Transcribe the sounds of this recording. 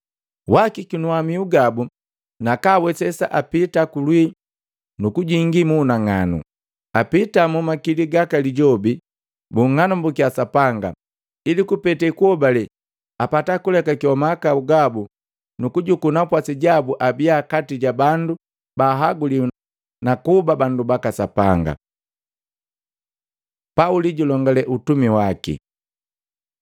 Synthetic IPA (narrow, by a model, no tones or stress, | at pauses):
wakikinuamiuɡabu | nakaːwɛsɛsa̰ʔapitakulwi | nukuɟiŋɡimuːnaŋa̰nṵ | apitamumakiliɡakaliɟɔbi | buŋːanumbukiasapaŋɡa̰ | ilikupɛtɛkuɔbalɛ | apatakulɛkakiɔmakauɡabu | nukuɟukunapwasiɟabuʔabiakatiɟabandu | baːɦaɡuli | nakubabandubakasapa̰ŋɡa̰ | pauliɟulɔŋɡalɛʔutumiwakḭ